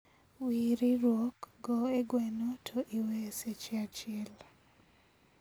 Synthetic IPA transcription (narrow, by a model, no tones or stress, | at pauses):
wiɾiɾwokɡɔeɡwɛnotʰoʔiweset͡ʃeat͡ʃɪɛl